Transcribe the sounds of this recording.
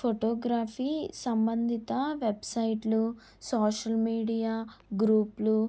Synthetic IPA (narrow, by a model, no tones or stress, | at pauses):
pʰoʈoːɡɾaːpʰiːsɐmbɐnd̪ʱit̪ɐʋebsɐjʈlu | sɔːʃɐlmiːɖijaːɡɾuːplu